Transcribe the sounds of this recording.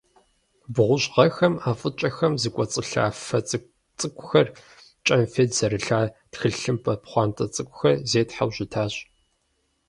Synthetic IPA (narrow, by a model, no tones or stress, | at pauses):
bʁʷʊʑʁɐxɐmaːfʼɨt͡ʃʼɐxɐmzɨkʷʼɔt͡sʼɨɬa̰ːfɐt͡sʼ | t͡sʼɨkʷʼʊxɐr | t͡ʃʼɐmfeːdz̥ɐɾɨɬaːtxɨɬɬɨmpʰʼɐpχʷɑːntʼɐt͡sʼɨkʷʼʊxɐrzeːtħawʑɪtʰaːɕʼ